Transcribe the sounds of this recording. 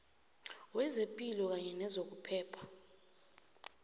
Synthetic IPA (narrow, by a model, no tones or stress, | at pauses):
wɛzempʼilɔk̬aɲɛnɛzok̬upʰɛːpʰḁ